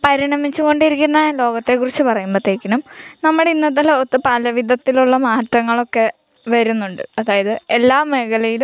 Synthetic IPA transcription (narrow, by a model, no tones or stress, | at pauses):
pɐɾiɳɐmit͡ɕːuɣo̞ɳɖiɾikʲːunːɐlo̞ːɣɐt̪ːe̞kːurit͡ɕːɨpɐrɐjumbɐt̪ːekʲːɐnumnɐmːɐɽeinːɐðɐlot̪ːɨpɐlɐʋid̪ʱɐt̪ːiluɭːɐmaːtːrɐŋːɐɭo̞kːe̞ | ʋɐɾunːuɳɖɨɐðaːjɐðɨelːaːmeɣɐlɐjilum